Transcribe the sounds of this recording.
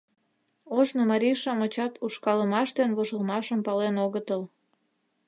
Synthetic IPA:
oʒnomɑɾiʃɑmot͡ɕɑt̪uʃkɑləmɑʃd̪enβoʒəlmɑʃəmpɑlenoɣət̪əl

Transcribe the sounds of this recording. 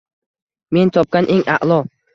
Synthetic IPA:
me̞nt̪ʰɒp̚kʲanʔeŋa̰ʔlˠɒ

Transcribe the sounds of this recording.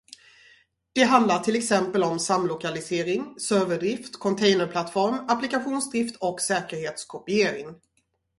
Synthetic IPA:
d̪̥ɛɦand̪laʈʰɪlɛksɛmpəlɔmsamlʊkalɪseːɾɪŋsøːvəɖɾɪft̪kʰɔnt̪ʰɛjnəɾpʰlat̪fɔɾmaplɪkaɧuːnsd̪ɾɪft̪ʰɔksɛːkəɾheːt̪skʰɔpɪeːɾɪŋ

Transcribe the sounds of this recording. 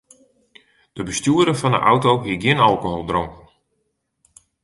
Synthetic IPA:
d̥əbəstjuədəfɑndə̰ʔawtowɦiəɡjɪnɑlˠkoɦolˠdroŋkn

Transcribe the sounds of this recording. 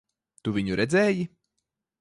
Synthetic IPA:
t̪uvʲiɲuɾʔɛd̪zɛːji

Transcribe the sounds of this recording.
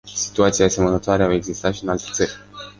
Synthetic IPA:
si̥t̪uat̪siasemənət̪oaɾeawe̞ɡzist̪at̪ʃiɨnalt̪et̪sərʲ

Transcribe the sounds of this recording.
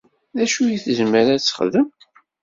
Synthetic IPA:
ðæʃujiθəzməɾæt͡sːχðəm

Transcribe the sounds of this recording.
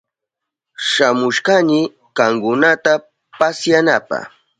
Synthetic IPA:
ʃamʊʃkaɲɪ | kaŋkʊnat̪a | pasjanapa̰

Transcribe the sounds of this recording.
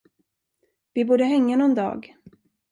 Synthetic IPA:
vɪbuːɖəɦɛŋːanʊnd̪ɑ̰ːɡ

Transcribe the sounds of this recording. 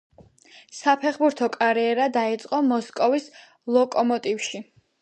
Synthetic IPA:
sapʰɛχbuɾt̪ʰɔkʼaɾiɛɾad̪ait̪sʼqʼɔmɔskʼɔvis | lˠɔkʼɔmɔt̪ʼifʃi

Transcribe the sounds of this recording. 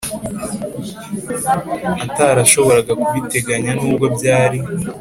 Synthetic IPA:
ataɾaʃo̞βo̞ɾaɡakuβite̞ɡaɲanuːb̚ɡo̞bɟaːɾi

